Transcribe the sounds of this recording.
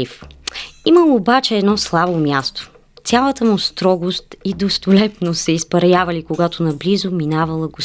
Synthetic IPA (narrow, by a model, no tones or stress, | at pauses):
if | iməlˠoːbat͡ʃɛɛd̪nɔslˠabomjast̪o̥ | sʲalˠət̪əmust̪ɾɔɡost̪id̪ost̪olɛp̪nosɛispɐɾɐjavɐlikoɡat̪onɐblizominavɐlˠəɡos